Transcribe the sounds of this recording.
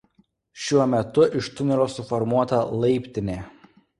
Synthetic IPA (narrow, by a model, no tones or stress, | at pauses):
ʃʲuɔmʲɛt̪ʊʔɪʃt̪ʊnʲɪɾoːsʊfɔɾmuɔt̪ɐlˠɐɪpʲt̪ʲɪnʲeː